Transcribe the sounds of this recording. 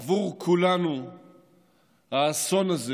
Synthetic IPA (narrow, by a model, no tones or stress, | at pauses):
vuʁkʰulanu | haːsonaze